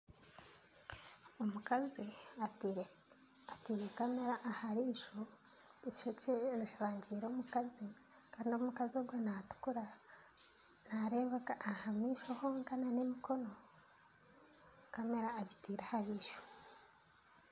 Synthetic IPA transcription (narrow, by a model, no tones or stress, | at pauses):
omukazi | atiːɾekameɾaʔːhaɾiʃoeʃoceɾuʃaːɲɟiːɾoːmukazi | kaːndioumukazioɡwonatu̥kuɾa | naɾe̞βakaʔːhamiːʃahoŋɡananemiko̞no̞ | kame̞ɾaːɟi̥tiːɾahaβiːʃo̥